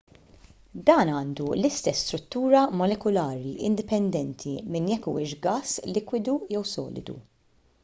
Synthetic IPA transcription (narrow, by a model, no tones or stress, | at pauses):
d̪ɐːnɐːnd̪ulɪst̪ɛsːt̪ɾʊt̪ːuːɾɐmɔlɛkʊlɐːɾiʔɪ̰nd̪ɪpɛnd̪ɛnt̪ʰimɪnjɛkːṵːɪʃɡɐːslɪkwɪd̪ujɛwsɔ̰ːlɪ̰d̪ṵ